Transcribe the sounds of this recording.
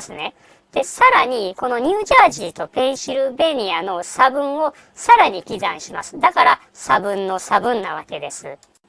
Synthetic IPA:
sɨne̞ | d̪̥e̞saɾaɲ̟iko̞no̞ɲ̟ʲɨːʑaːʑiːt̪o̞pẽ̞ɰ̃ɕiɾɯ̟be̞ɲ̟ʲiano̞sabɯ̟̃ɰ̃o̞ | saɾaɲ̟ikʲizãɰ̃ɕimasɨ̥d̪akaɾa | sabɯ̟̃nːo̞sabɯ̟̃nːaβ̞ake̞d̪e̞sɨ̰

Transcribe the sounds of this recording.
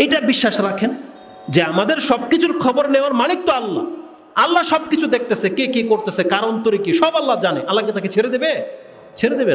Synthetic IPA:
ejʈabiʃːaʃɾakʰen | d͡ʑeamad̪eɾʃɔb̚kit͡ɕʰuɾkʰɔboɾneoaɾmalik̚t̪oalːa̰ | alːaʃɔbkit͡ɕʰud̪ek̚ʰt̪esekekekoɾt̪esekaɾont̪oɾikiʃɔbalːad͡ʑaneʔalːaɡet̪aket͡ɕʰeɾed̪ebe | t͡ɕʰeɾed̪ebe

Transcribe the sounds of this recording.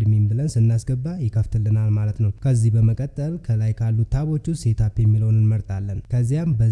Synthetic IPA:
d̪membɨlənsɨnːasɡəbːajɪkʰəft̪ʰɨlːɨnalmalət̪nəwkʰəzːihbəməkʼət̪ʼːəlkʰəlajkʰalːut̪ʰːaβo̞t͡ʃːuse̞t̪ʰapjɛmːilonɨnməɾt̪ʼalːənkʰəzːijambə

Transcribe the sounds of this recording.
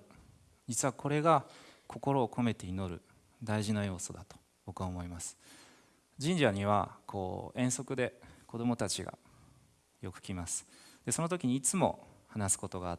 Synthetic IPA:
d͡ʑit͡sɨβakʰo̞ɾe̞ɡakʰo̞ko̞ɾo̞ːkʰo̞me̞t̪e̞ino̞ɾɯ̟ | d̪aiʑinajo̞ːso̞̰d̪at̪o̥ | bo̞kɯβaomo̞imasɨ̥ | d͡ʑĩɲ̟d͡ʑaɲ̟iβ̞akʰo̞̰ːẽ̞ɰ̃so̞kɯ̟d̪e̞ko̞d̪o̞mo̞t̪at͡ɕiɡa̰ | jo̞kɯ̟̥kʲimasɨ̥d̪̥e̞so̞not̪o̞kʲiɲ̟iːt͡sɨmo̞̰hanasɨ̥ko̞t̪o̞ɡaː

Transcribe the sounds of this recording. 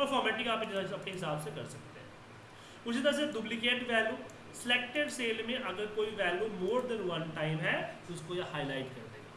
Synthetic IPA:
pəɾfʰɔːɾmɛ̃ːʈɪ̃ŋɡaːpəpneɦɪsaːbsekəɾsəkt̪eɦɛ̰̃ː | ʊseːd̪əs̬ɛd̪ʊblɪkeːʈʋɛːljuː | sɪleːk̚ʈəɖseːlmẽːʔəɡəɾkoːiːʋɛːljuːmoːɾd̪ɛ̃ːnʋənʈaːɪmɦɛːt̪oʊskoːjaːhaːilaːɪʈkə̰ɾd̪ḛːɛː

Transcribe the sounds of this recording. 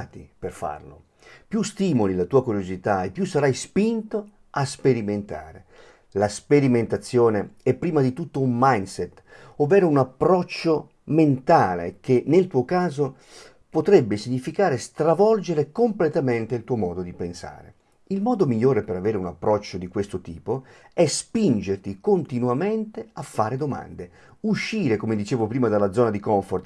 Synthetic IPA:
t̪iperfa̰rlo̰ | pjust̪iːmolilat̪uːakuɾjozit̪aepːjusːaɾajspint̪o | aspeɾiment̪a̰ːɾe | laspeɾiment̪at̪sːjoːneɛpːɾiːmad̪it̪ut̪ːoummajnsɛt̪ː | ovɛːɾounapːɾɔt͡ʃːo | ment̪aːlḛk̟enelt̪uːokaːzo | pot̪ɾɛbːesiɲːifikaːɾest̪ɾavɔld͡ʒeɾekomplet̪ament̪eilt̪uːomɔːd̪od̪ipensa̰ːɾe | ilmɔːd̪omiʎːoːɾepeɾaveːɾeunapːɾɔt͡ʃːod̪ikwest̪ot̪iːpo | ɛspind͡ʒert̪ikont̪inuament̪eafːaːɾed̪oma̰nd̪e | uʃːiːɾekomed̪it͡ʃeːvopɾiːmad̪alːad̪zɔːnad̪ikɔɱfort̪

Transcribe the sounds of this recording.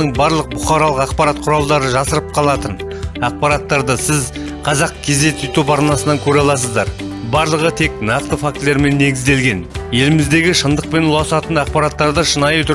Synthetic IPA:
əɴbɑɾlˠəq̚bʊχɑɾɑlˠəqɑqpɑɾat̪qʰʊɾɑlˠd̪ɑɾəʒɑsəɾəp̚qʰɑlˠɑt̪ən | ɑq̚pɑɾɑt̪ːɑɾd̪əsɪz | qʰɑzɑqkʲʰe̞zd̪e̞t̪ʰɪt̪upɑɾnɑsənɑŋkʲʰɵɾeɑlˠɑs̬əzd̪ɑɾ | bɑɾlˠəʁət̪ʰe̞k̚nɑqt̪əfak̚t̪le̞ɾme̞nːe̞ɡʲɪzd̪e̞lɡʲe̞nje̞lɪmɪzd̪e̞ɡʲɪʃənd̪əq̚pe̞nʊlˠɑsɑt̪ənɑq̚pɑɾɑt̪ːɑɾd̪əʃənɑjt̪ʰʊ

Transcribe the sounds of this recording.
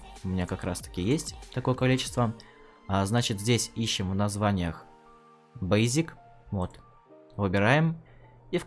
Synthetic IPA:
ʊmʲɪnʲakɐkɾa̰st̪ə̥kʲɪjesʲtʲt̪ɐko̞jəkɐlʲit͡ɕɪ̥st̪və | aznat͡ɕɪt̪zʲdʲesʲiɕːɪmvnɐzvanʲɪjəx | bejzʲik | vot̪ | vɨbʲɪɾajɪm | if

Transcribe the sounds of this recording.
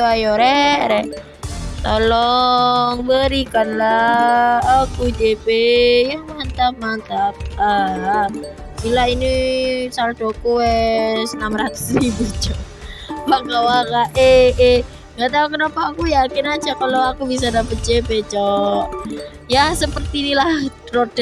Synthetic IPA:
ajɔɾɛɾɛ | t̪olɔ | ŋbəɾikanlaː | kud͡ʒepejamant̪ap̚mant̪ap̚ə | silainisaɾad̪okuwɛsənamɾat̪u̥sribut͡ʃɔʔ | makawakaʔee | ŋɡaʔt̪aukənapakujakɪnḁd͡ʒakaloakubis̬adapət̪̚d͡ʒepet͡ʃɔʔ | jasəpərt̪iːnilahrod̥ɛ

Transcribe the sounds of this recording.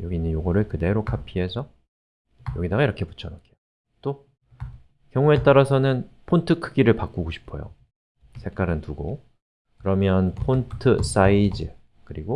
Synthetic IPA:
jʌɡinɯnjoɡʌɾɯɭkɯde̞ɾokʰapʰiɦe̞sʰʌ | jʌɡidaɡaiɾʌkʰepu̥t͡ɕʰʌnakejo | t͈o | kjʌŋue̞t͈aɾasʰʌnɯnpʰontʰɯkʰɯɡiɾɯɭpak͈uɡoɕʰi̥pʰʌjo̰ | sʰe̞k͈aɾɯntuɡo | kɯɾʌmjʌnpʰontʰɯs͈aid͡ʑɯ | kɯɾiɡo

